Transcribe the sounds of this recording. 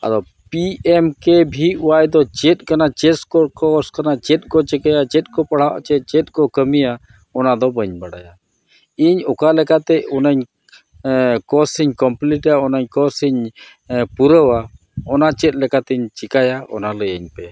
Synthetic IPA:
a̰d̪ɔ | piɛmkɛbʱiuwajd̪ɔt͡ʃɛt̪̚ˀkanat͡ʃɛskɔkɔskanat͡ʃɛt̪̚ˀkɔt͡ʃɛkajat͡ʃɛt̪̚ˀkɔpaɽ̤awa̰ʔt͡ʃɛt͡ʃɛt̪̚ˀkɔkəmija | ɔnad̪ɔbəɲbaɽa̰ja | iɲɔkalɛkat̪ɛɔnaɲ | kɔsiɲkɔmpliʈaɔnaɲkɔsiɲ | puɾəwa | ɔnat͡ʃɛt̪̚ˀlɛkat̪ɛiɲt͡ʃikajaɔ̰naləjəɲpɛ

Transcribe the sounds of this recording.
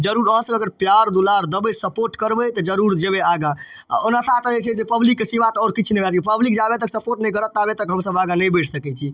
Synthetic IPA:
d͡ʒəɾuɾɔ̃səəɡəɾpjaɾd̪ulaɾd̪əbesəpoɾʈkəɾbɛt̪ɔd͡ʒəɾuɾd͡ʒebeaɡã | onat̪ʰat̪əet͡ʃʰɛsepəblikːesiʋat̪ɔːɾkit͡ʃʰnɛbat͡ʃkipəblikd͡ʒabet̪əksəpoɾʈnɛjkəɾət̪abet̪əkɦəmsəbaɡanəjbeʈʰsəkɛt͡ʃʰi

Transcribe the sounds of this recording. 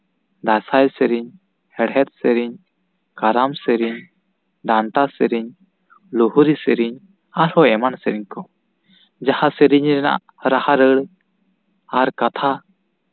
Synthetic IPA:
d̪asajsɛɾiɲ | hɛɽɦɛt̪̚sɛɾiɲ | kaɾamsɛɾiɲ | ɖ̪aɳʈasɛɾiɲ | luhuɾisɛɾiɲ | aɾhɔɛmansɛɾiɲkɔ | d͡ʒahasəɾiɲɾɛna̰ʔ | ɾahaɾəɽ | aɾkat̪ʰa

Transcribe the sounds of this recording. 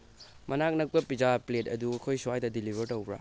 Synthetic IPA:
mɐnak̚nɐk̚pɐpid͡ʒapletɐ̰duɐkʰojsuwajdɐdilibʱeɾtɐwbɾa̰

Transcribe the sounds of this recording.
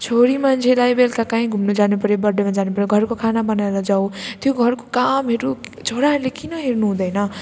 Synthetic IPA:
t͡sʰoɾimʌnt͡sʰelajbelkakaĩɡʱumnod͡zanepʌɾjobʌɽemad͡zanepʌɾjoɡʱʌrkokʰanabʌnaeɾʌd͡zaw̃t̪joɡʱʌrko̥kamɦeɾud͡zʱoɽaɦʌɾlekinʌɦeɾnuɦũd̪ʌjnʌ

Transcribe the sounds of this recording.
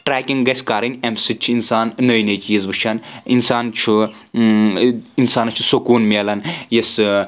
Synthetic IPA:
ʈɾaːkʲiŋɡɡɐsʲkaːɾɨnʲemsɨt͡ʃʰiinsaːnnɐjnet͡ʃjizʋɨʃʰaninsaːnt͡ʃʰu | insaːnɐt͡ʃʰusokuːnmʲelɐnjes

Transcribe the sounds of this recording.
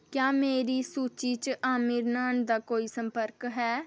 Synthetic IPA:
kjaːmeːɾiːsuːt͡ʃiːt͡ʃʔaːmiːɾnaːnd̪aːkoːiːsəmpəɾkɦɛː

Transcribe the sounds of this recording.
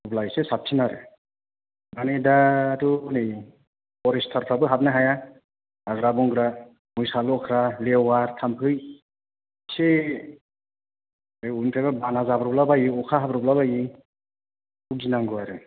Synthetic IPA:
ublajsesap̚tʰinaɾɯ̰ | banedatunɯj | ɔɾistʰaɾpʰabɯɦap̚naɦaja | aɡɾabɔŋɡɾa | mujsalɔkʰɾalewaɾtʰampʰɯj | se | ɯjunpʰababanazabɾɔblabajiɔkʰaɦabɾɔblabaji | uk̚d͡ʒinaŋɡɯaɾɯ

